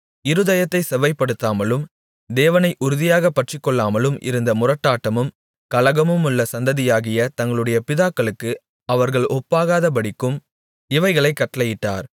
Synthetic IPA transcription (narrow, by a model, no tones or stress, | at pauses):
ɪɾɯðɐjɐt̪ːɐɪsɛʋɐɪpːɐɽɯt̪ːaːmɐlɯm | d̪eːʋɐnɐɪʔʊɾʊðɪjaːɣɐpːɐʈrɪkːɔɭːaːmɐlɯmʔɪ̰ɾɯnd̪ɐmʊrɐʈːaːʈːɐmɯm | kɐlɐɣɐmɯmʊɭːɐsɐnd̪ɐðɪjaːɣɪjɐt̪ɐŋɡɐɭɯɽɐjɐpɪðaːkːɐɭɯkːɯ | ɐʋɐɾɣɐɭʔɔpːaːɣaːðɐp̬ɐɽɪkːɯm | ɪʋɐɪɣɐɭɐɪkːɐʈːɐlɐjɪʈːa̰ːɾ